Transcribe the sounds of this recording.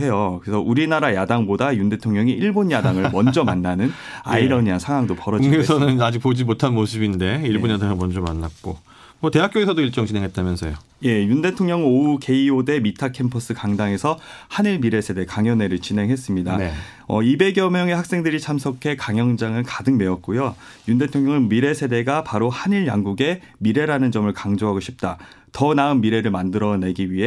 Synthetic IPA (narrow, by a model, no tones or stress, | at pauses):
e̞jokɯɾesʰʌʔuɾinaɾajadaŋbodajunde̞tʰoŋɲʌŋiʔiɭbonjadaŋɯɭmʌnd͡ʑʌmanːanɯn | a̰iɾʌɲiansʰaŋwaŋdopʌɾʌd͡ʑiɡesʰʌnɯnad͡ʑik̚p͈od͡ʑimotʰanmosʰɯbinde̞iɭboɲjadaŋɯɭmʌnd͡ʑʌmanːat̚k͈o | mʌte̞ɦak͈joesʰʌdoiɭt͡ɕ͈ʌŋt͡ɕinɦe̞ŋɦet̚t͈amjʌnsʰʌjo | je̞junde̞tʰoŋɲʌŋouke̞iode̞mitʰakʰe̞mpʰʌs͈ɯkaŋdaŋe̞sʰʌhaniɭmiɾe̞sʰe̞de̞kaŋjʌne̞ɾɯɭt͡ɕinɦe̞ŋɦe̞s͈ɯmɲida | ʌibe̞ɡjʌmjʌŋe̞hak̚s͈e̞ŋdɯɾit͡ɕʰamsʰokʰe̞kaŋjʌŋd͡ʑaŋɯnkadɯŋme̞ʌt̚k͈ujo | junde̞tʰoŋɲʌŋɯnmiɾe̞sʰe̞de̞ɡapaɾohaɲiɭjaŋɡuɡe̞ | miɾe̞ɾanɯnd͡ʑʌmɯɭkaŋd͡ʑoɦaɡoɕʰip̚t͈a | tʌnaɯnːiɾe̞ɾɯɭmandɯɾʌne̞ɡiɥiɦe